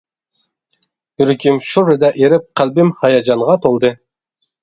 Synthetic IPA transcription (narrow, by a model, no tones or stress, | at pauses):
yɾkʲʰimʃuɾɪd̪ɛʔeɾɪp̚qʰælbɪmhɑjɑd͡ʒɑnʁɑt̪ʰolˠd̪ɨ